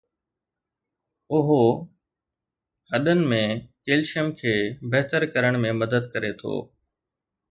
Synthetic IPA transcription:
ʊɦ | hɐɗənɪ̆mẽkeːlʃəmkʰeːbɐɦt̪əɾkɐɾəɽ̃mẽmɐd̪əd̪kɐɾet̪ʰo̰ː

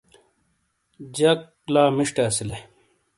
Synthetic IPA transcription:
d͡ʑɐk | laːmiʂʈeːsile

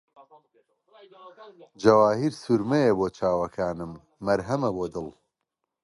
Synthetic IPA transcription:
d͡ʒɐwaːɦiɾsuɾmejeboːt͡ʃʰaːwɐkʰaːnɨmː | ɐɾɦɐmɐboːd̪ɨlˠ

